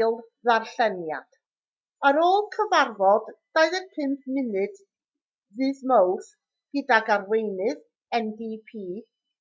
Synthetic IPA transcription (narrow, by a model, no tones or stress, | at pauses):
lˠ | ðarɬɛnja̰d̥ | əɾoːlˠkʰəvarvɔdd̥aɨðəpʰɪmpmɪnɨd̥ | ðɨːðmowrs | ɡ̥ədaɡarwejnɨð | ɛndipʰiː